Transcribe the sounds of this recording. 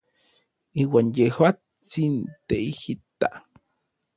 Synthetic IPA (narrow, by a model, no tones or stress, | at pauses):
iːwanjehwa | t͡st͡sint̪eihit̪ːa